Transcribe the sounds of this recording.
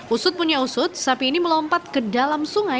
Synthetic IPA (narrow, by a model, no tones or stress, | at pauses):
ʔusʊt̪̚puɲausʊt̪̚sapiːniməlɔmpat̪̚kədalamsuŋa